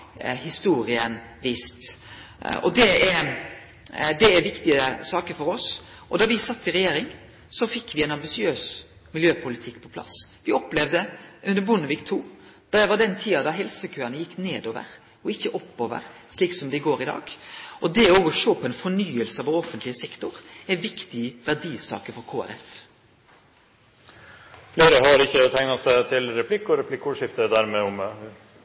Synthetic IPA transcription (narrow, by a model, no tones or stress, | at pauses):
hɪst̪uːɾɪən | ʋiːst̪ | ɔ̰d̪ɛɛɾ | d̪ɛæɾʋɪkt̪ɪəsɑːkəɾfɔɾɔsʔɔ̰d̪ɑʋɪsɑt̪ːɪɾɛjeːɾɪŋ | sɔfɪkːʋɪɛɪnɑmbɪsɪøːs | mɪljøːpʰʊlɪt̪ʰɪkːpʰɔ̥pʰlɑ̰sʋɪɔpːlɛʋd̪əʔʉnd̪əɾbʊnəʋɪkt̪ʰuːd̪̥ɑd̪ɛʋɑd̪ɛnt̪ʰiːɑd̪ɑɦɛlsəkʰøːɾɑnəjɪkːneːd̪oːʋə̰ɾ | ɔɪçːəʔɔpːoːʋə̰ɾsliːksɔmd̪ɛɪɡoːɾɪd̪ɑ̰ːɡɔd̪ɛɔoːɡɔʃoːpʰɔɛnfɔɳyːəlsəɑʋɔɾɔfənt̪lɪəsɛkt̪ʊɾɛʋɪkt̪ɪʋæɖ̪iːsɑ̰ːkəfɔɾkʰoːæ̰ɾɛ̰f | fleːɾəɦɑɾɪçːət̪ʰæŋnɑsæɪt̪ʰɪlɾɛpʰlɪkːɔɾɛpʰlɪkːʊʂɪft̪əd̪ɛd̪æɾmeːɔm